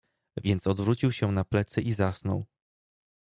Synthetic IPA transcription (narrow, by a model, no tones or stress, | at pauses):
vʲjɛnt̪sɔd̪vɾut͡ɕiwɕɛnaplɛt̪sɘʔizasnɔ̰w